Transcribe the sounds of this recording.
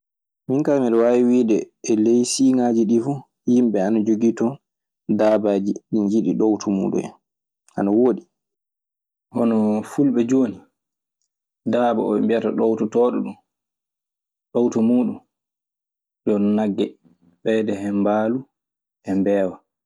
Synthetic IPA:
miŋkamiɗɔwawiwidɛː | lejsiːŋad͡ʒiɗifu | jimɓɛanad͡ʒoɡitɔ | daːbaːd͡ʒiɗiɲd͡ʒiɗiɗowtʰumṵɗṵɛ̰n | a̰nawoɗi | hɔnɔfulɓɛd͡ʒoːni | daːba̰ɔ̰ɓɛmbijataɗowtutɔːɗuɗum | ɗowtumuːɗum | dɔnnaɡːɛ | bɛjdɛhɛmbaːlu | ʔɛmbɛːwa

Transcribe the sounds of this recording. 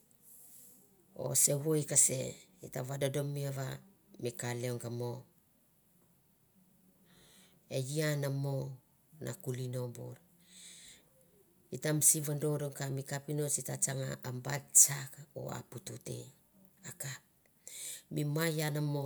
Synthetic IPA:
o̞̰se̞wojkase̞̰itavadodo̞miaβa | mikaleoŋɡamo̞ | e̞jianamo | na̰kulino̞bo̰ɾ | itamsiβando̞ɾoŋkamikapino̞sitat͡ʃaŋaambatt͡ʃako̰a̰pututḛ | akap̚ | mimajanamo

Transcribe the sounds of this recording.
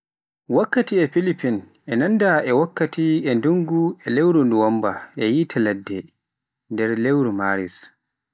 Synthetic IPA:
wakːatiɛfilipin | ʔɛnandaʔɛwakːatiɛnduŋɡuɛlewɾunduwambaʔɛjitʰalɛdːɛ | ndɛɾlewɾumaːɾḭs

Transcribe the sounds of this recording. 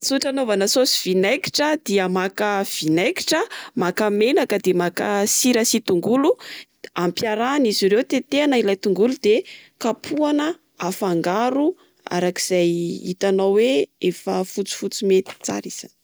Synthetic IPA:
t͡suʈ͡ʂanovanəsosi̥v̥inajki̥ʈ͡ʂəd̪iəmakəv̥inajki̥ʈ͡ʂəmakamenakəd̪emakəsiɾəsit̪uŋɡulu | ampjaɾaːnizirewt̪et̪eanəilajt̪uŋɡulud̪̥ekapʰuanə | afaŋɡaɾu | a̰ɾaki̥z̥ajḭt̪anawweefəfut͡si̥fut͡simet̪i̥t͡sa̰ɾiz̥ani̥

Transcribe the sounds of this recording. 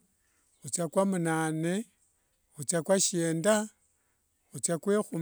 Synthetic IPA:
xut͡sakwamunaːne | xut͡sakwaʃeːnda | xut͡sakwexu

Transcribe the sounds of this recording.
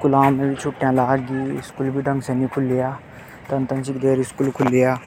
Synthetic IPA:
kʊlaːmːẽbʱit͡ʃʰoːʈjãlaːɡɡiːskuːlbʱiɖə̃ŋɡsenikʰʊlːijaː | t̪ɐnt̪ə̃nsɪkd̪eːɾɪskuːlkʰʊlːijaː

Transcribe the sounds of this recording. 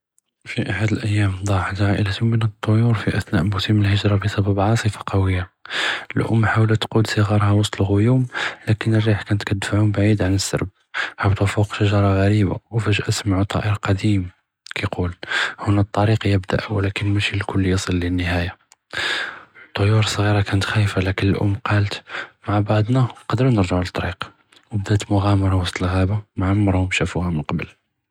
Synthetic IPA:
fiʔaħad̪əlʔəjːæmd̪ˤɑħd̪ʕaʔəlæt̪umːənət̪ˤːojuɾfiʔæθnæ̰ʔbʊt̪iməlhəʒɾˤɑbəsˤæbæbʕɑsˤəfḁqɑwəjːaəlʔʊ̰mːħawlæt̪qud̪sˤəɣɑɾˤhɑwɑsˤt̪ˤəlɣʊjumlækənərːiħkænət̪kæt̪̚d̪faʕumbaʕid̪ʕanəsːɑ̰ɾˤb̚ | hawt̪æfuqʃaʒɑɾˤɑɣæɾiba̰wfæʒʔəsmaʕut̪ˤɑ̰ʔəɾqɑd̪im | kʰiqʰulhʊnæt̪ˤːɑɾiqjəbd̪a̰ʔwlækənmæʃilkʊlːjəsˤəlːinːəhæja | t̪ˤːojuɾsˤɣiɾˤɑkænət̪xæjfalækənəlʔʊ̰mːqɑlt̪maʕbaʕd̪ˤnaqɑd̪ɾnəɾʒaʕlət̪ˤːɑɾiq | wəbd̪æt̪mʊɣæmɑɾˤɑwɑsˤt̪ˤəlɣæbamaʕamːɑɾˤhʊmʃæfuhæmənqɑbəl

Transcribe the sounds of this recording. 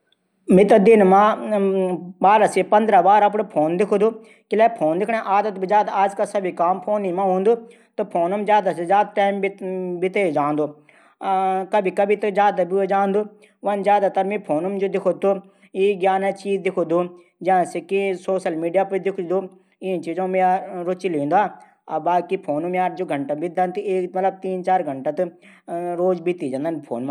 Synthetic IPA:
mĩt̪ɐd̪ɪnmã | baːɾasepɐ̃nd̪ɾaʋaːɾɐp̬ɽopʰoːnd̪ɪkʰod̪uː | kɪlɛːpʰoːnd̪ɪkʰɽ̃ẽʔaːd̪ət̪̚bid͡ʒaːd̪aaːd͡ʒkasɐbʱikaːmpʰoːnimãːɦũːnd̪u | t̪ɐpʰoːnɐmzjaːd̪asezjaːd̪̚ʈɛːmbit̪ed͡ʒaːnd̪oː | kɐbʱikɐbʱit̪ɐzjaːd̪abid͡ʒaːnd̪uː | ʋɐnzʲjaːd̪at̪ɐɾmĩpʰoːnɐmd͡ʒod̪ɪkʰot̪u | iɡjaːnet͡ʃiːzd̪ɪkʰod̪u | d͡ʒããsekisoːʃəlmiːɖijaːpd̪ɪkʰd̪u | iĩt͡ʃiːzõmejaɾʊt͡ʃilĩːnd̪uaː | ɐbaːd̪̚kipʰoːnumjaːɾd͡ʒoːɡʱɐɳʈabid̪ant̪ɨeːkmɐt̪lɐb̚t̪iːnt͡ʃaːɾɡʱɐɳʈat̪ɨ | ɾoːzbʱit̪id͡ʒɐ̃nd̪anpʰoːnma

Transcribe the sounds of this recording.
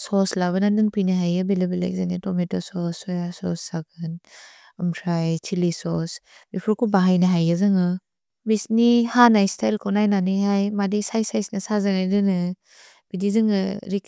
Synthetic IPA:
sɔslaβɐnadɯŋpinɯɦajɯbilebela̰jk̚zanitɔmetɔsɔsɔjasɔ̰sːaɡɯn | ɯmtʰɾajt͡ʃʰilisɔs | bipʰuɾkubaɦajnɐɦajɯzɯŋɯ | bisnihanajstʰajlkʰɔnajnanɯhajmadisajsajsnɐsazaŋajdɯnɯ | b̥idizɯŋɯ̰ɾik

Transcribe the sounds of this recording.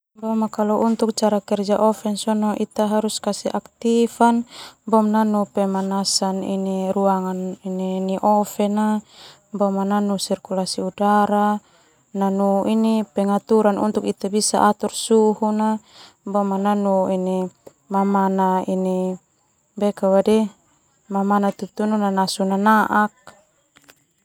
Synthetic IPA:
bɔmakalɔʔunt̪uk̚t͡ʃaɾakɛrd͡ʒaʔɔfɛnsɔnɔʔit̪aɦaɾuskasɛʔakt̪ifanbɔmnanupɛmanasanḭniɾuaŋanininiʔɔfɛna | bɔmananusirkulasiudaɾa | nanuʔinipɛŋat̪uɾanʔṵnt̪ukit̪abisa̰ʔat̪ursuhuna | bɔmananuini | mamanaini | bɛkawadi | mamanat̪ut̪ununanasunanaʔak̚

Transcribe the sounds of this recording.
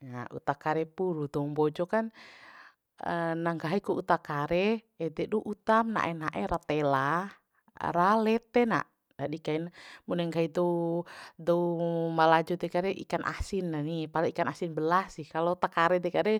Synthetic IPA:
ŋa̰ṵt̪akaɾɛpuɾud̪ɔŋbɔd͡ʒɔkan | ənaŋɡaɦikuut̪akaɾɛ | ɛdɛʔduʔut̪amna̰ʔɛnaʔɛɾat̪ɛla | ɾalɛt̪ɛna̰ʔ | dadikainmunɛŋkaid̪ɔ | dɔumalad͡ʒud̪ɛkaɾɛʔḭkanʔa̰sinːanipalaikanasinbəlasihkalout̪akaɾɛd̪ɛkaɾɛ

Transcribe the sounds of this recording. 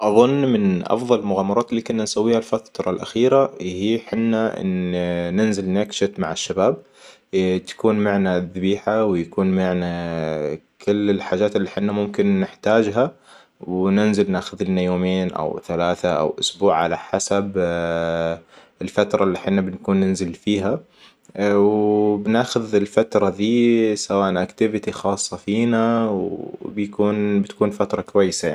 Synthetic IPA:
ʔɑðˤʊnːmɪnʔɑ̰fðˤɑlɪlmʊɣaːmːɑɾˤɑːt̪ɪlːiːkʊnːansawːiːhalfat̪ɾˤɑlʔa̰xiːɾahiːħɪnːaʔɪ̰nnɪnzɪlnakʃɪt̪maʕaʃːabaːb̚ | t̪ḁkuːnmaʕnaðɪbiːħawjakuːnmaʕna | kʰɪlːɪlħaːʒaːt̪ɪlːiːħɪnːamʊmkɪnːɪħt̪aːd͡ʒɦa | wnɪnzɪlnaːxʊðɪnajoːmeːnʔa̰wθalaːθaʔa̰wʔʊ̰sbuːʕʕa̰laħasab | ɪlfat̪ɾˤɑʔlːiːħɪnːabɪnkuːnːɪnzɪlfiːɦa | wbnaːxʊðɪlfat̪ɾˤɑðiːsawaːʔnʔakt̪ɪvɪt̪ixɑːsˤːɑfiːnawbjakuːnbɪt̪kuːnfat̪ɾˤɑkwajːɪsajai

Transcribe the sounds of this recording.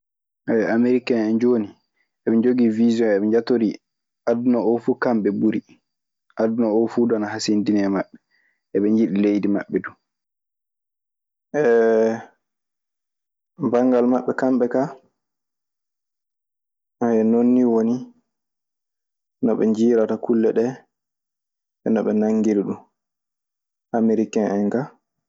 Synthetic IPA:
ʔɛameɾikanɛnd͡ʒoni | ɛɓɛɲd͡ʒoɡivizɔnɛɓɛɲd͡ʒatoɾi | adunɔɔfuːkamɓɛbuɾi | ʔadunɔɔfudɔanaɦasindinɛmaɓːɛ | ʔɛɓɛɲd͡ʒiɗilejdima̰ɓːɛdu | ʔɛ | baŋɡalmaɓːɛkamɓɛka | ʔaɛnonːiwoni | nɔɓɛ̰ɲd͡ʒiːɾatakulːɛɗɛ | ɛnɔɓɛnaŋːɡiliɗum | ʔameɾikɛnʔɛjka

